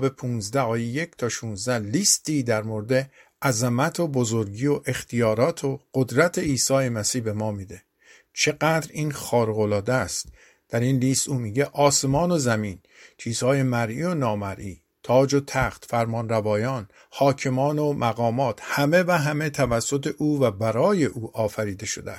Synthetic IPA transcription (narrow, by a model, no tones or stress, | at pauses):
bepʰuːnzd̪æɒːjeje̞ct̪ʰɒːʃuːnzd̪æhliːst̪iːd̪æɾmo̞ɾed̪e̞ʔæzemæt̪ʰobo̞zo̞ɾɟiːoʔe̞xt̪ʰijɒːɾɒːt̪ʰoɢ̥od̪ɾæt̪ʰe̞iːsɒːje̞mæsiːhbe̞mɒːmiːd̪e̞ | t͡ʃʰe̞ɡæːd̪ɾiːnxɒːɾeɣolɒːd̪æst̪ | d̪̥æɾinliːst̪ʔuːmiːɟe̞ʔɒːse̞mɒːno̞zæmiːn | t͡ʃʰiːz̥hɒːje̞mæɾʔiːo̞nɒːmæɾʔiː | t̪ʰɒːd͡ʒo̞t̪ʰæxt̪fæɾmɒːnɾævɒːjɒːn | hɒːcʰe̞mɒːnomʔæɣɒːmɒːt̪hæme̞væɦæme̞t̪ʰævæsːo̞t̪ʰeʔuːvæbæɾɒːje̞ʔuːʔɒːfæɾiːd̪e̞ʃo̞̰d̪eæs